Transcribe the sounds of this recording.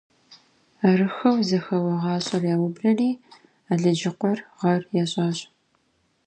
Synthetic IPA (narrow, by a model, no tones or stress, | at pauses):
aɾɨxɐwzɐxɐwɐʁɑːɕʼɐrjaːwʊbrɐniː | aɮɨd͡ʒɪqʷɔrʁɐrjaɕʼɑːɕʼ